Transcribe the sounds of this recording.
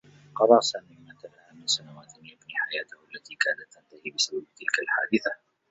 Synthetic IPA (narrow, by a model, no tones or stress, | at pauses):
qɑɾˤɑsamɪmat̪alahamɪnsanawaːt̪ɪnɪʔabnɪħajaːt̪ahʔalːat̪iːkaːnat̪ːant̪ahiːbɪsababt̪ɪlkalħa̰ːd̪ɪθa